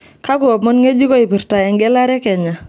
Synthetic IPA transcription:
ka˦kʊ˨ɔ˨pmɔ˦nŋe˦d͡ʒi˦kɔ˦i˨pi˨rta˨ɛ˨ŋɡɛ˦la˦ɾɛ˦kɛ˨ɲa˨

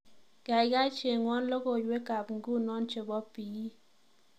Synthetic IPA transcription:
ɡ̥a˨ɪ˨ɡa˦t͡ʃe˨ŋwɔ˦nlɔ˦ɡo˨d͡ʒwe˦ka˨pŋɡu˦nɔ˦nt͡ʃe˨bɔ˦pi˨i˦

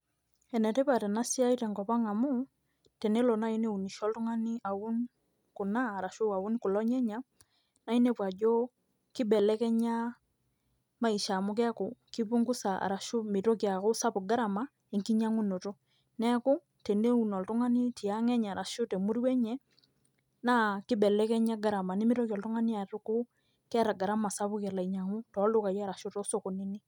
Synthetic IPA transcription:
ɛ˨nɛ˨te˦pa˨tɛ˨na˦si˦a˦i˦tɛ˨ŋɡɔ˨pa˦ŋa˨mu˦ | te˨ne˦lo˨na˦i˦ne˦u˨ni˨ʃɔ˦ltu˦ŋa˦ni˦a˨wu˦n | ku˨naː˦˨ɾa˨ʃu˦a˨u˦n˦ku˨lɔ˦ɲɛ˦ɲa˨ | na˨˦i˦ne˦pwa˨d͡ʒo˦ | ki˦bɛ˨lɛ˦kɛ˦ɲa˦ | ma˦i˨ʃa˨mʊ˦kɛ˦ko˨ki˦pu˦ŋɡu˦sa˨a̰˨ɾa˨ʃu˦mi˨to˦kja˨ko˦sa˦pu˨ɡa˦ɾa˨ma˦ | e˨ŋki˦ɲa˦ŋu˦no˨to˦ | nɛ˦kʊ˦ | te˨nde˦u˨nɔ˨ltʊ˦ŋa˦ni˦ti˨ja˦ŋɛ˦ɲa˨ɾa˨ʃo˦te˨mu˦ɾwɛ˦ɲɛ˦ | na˦kɪ˦bɛ˨lɛ˦kɛ˦ɲa˦ɡa˨ɾa˨ma˨ni˦mi˦ɾo˦kɔ˨ltʊ˦ŋa˦ni˦a˨tʊ˦ko˦ | kɛ˦ɾa˨ɡa˨ɾa˦ma˨sa˦pʊ˦kɛ˨la˨i˨ɲa˨ŋu˦tɔ˨˦lʊ˦ka˨jɾa˨ʃo˦to˦so˨ko˨ni˦ni˦

